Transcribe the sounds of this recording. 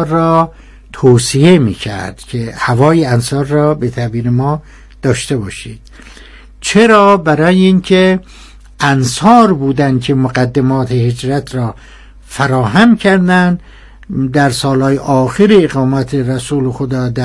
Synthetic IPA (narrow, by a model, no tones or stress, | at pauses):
ɾɒː | t̪ʰoːsije̞mḭːcʰæ̰ɾd̪̥cʰehævɒːjeænsɒːɾːɒːbet̪ʰæbiːɾemɒː | d̪̥ɒːʃt̪e̞bɒːʃid̪̥ | t͡ʃʰeɾɒːbæɾɒːjeiŋkʰe | ʔænsɒːɾbuːd̪ænd̪̚kʰemoɡæd̪ːemɒːt̪ʰehed͡ʒɾæt̪ʰrɒː | fæɾɒːɦæmcʰæɾd̪ænd̪ | d̪æɾsɒːlhɒːjeʔɒːxeɾeːɣɒːmæt̪ʰeɾæsuːlexod̪ɒːd̪æ